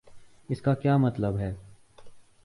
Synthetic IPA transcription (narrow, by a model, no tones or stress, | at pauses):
ɪskaːkjaːmɐt̪ləbɦɛː